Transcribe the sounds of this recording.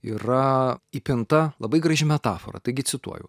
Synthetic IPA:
iːɾɐipʲɪnt̪ɐlˠɐbɐɪɡɾɐʒʲɪmʲɛt̪ɑːfo̰ɾɐ̰t̪ɐɪɡʲɪsʲɪt̪ṵɔjɛ̰

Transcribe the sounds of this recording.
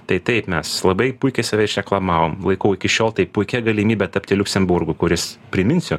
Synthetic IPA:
t̪ɐɪt̪ɐɪpmʲɛslˠɐbɐɪpʊɪkʲɛɪsɐʋʲɛɪʃʲɾʲɛklˠɐmɑːʋoːmlˠɐɪkɐʊɪkʲɪʃʲoːlˠt̪ɐɪpʊɪkʲɛɡɐlʲimʲiːbʲɛt̪ɐp̚ʲt̪ʲɪlʲʊksʲɛmbʊrɡʊkʊɾʲɪspʲɾʲɪmʲɪnʲsʲʊ

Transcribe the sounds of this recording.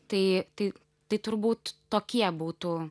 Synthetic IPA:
t̪ɐɪt̪ɐɪ | t̪ɐɪt̪ʊɾbuːt̪ːoːkʲiɛbuːt̪uː

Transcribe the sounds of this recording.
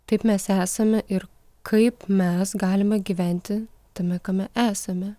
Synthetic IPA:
t̪ɐɪpmʲɛsæːsɐmʲɛʔɪɾ | kʰɐɪpmʲɛsɡɑːlʲɪmɐɡʲiːʋʲæˑnʲt̪ʲɪt̪ɐmʲɛkɐmʲɛʔæːsɐmʲɛ

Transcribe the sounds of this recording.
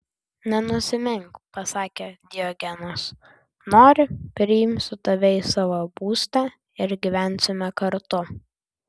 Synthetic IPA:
nʲɛnʊsʲɪmʲɪŋkpɐsɑːkʲeːd̪ʲɪjɔɡʲɛnos | noːɾʲɪpʲɾʲɪɪmʲsʊt̪ɐʋʲɛɪsɑʋoːbuːsʲt̪ʲɛ | ɪɾɡʲɪʋʲæˑnʲsʲɪmʲɛkɐɾt̪ʊ

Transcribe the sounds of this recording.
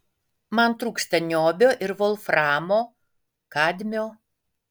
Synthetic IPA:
mɐnt̪ɾuːksʲt̪ʲɐnʲoːbʲoːʔɪɾʋolˠfɾɑːmoː | kɑːd̪ʲmʲoː

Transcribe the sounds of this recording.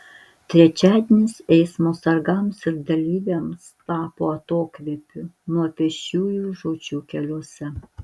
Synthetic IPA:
t̪ʲɾʲɛt͡ʃʲæːd̪ʲenʲɪsɛɪsmoːsɐɾɡɐmsɪɾd̪ɐlʲiːʋʲemst̪ɑːpoːɐt̪oːkʋʲiɛpʲʊnuɔpʲɛʃʲuːjuːʒoːd͡ʒʲuːkʲɛlʲuɔsʲɛ

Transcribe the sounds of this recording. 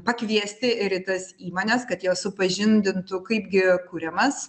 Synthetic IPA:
pɐkʋʲiɛsʲt̪ʲɪɪɾɪt̪ɐsiːmoːnʲɛskɐt̪jɛʊsʊpɐʒʲɪnʲd̪ʲɪnt̪ʊkɐɪpɡʲɪkuːɾʲɛmɐs

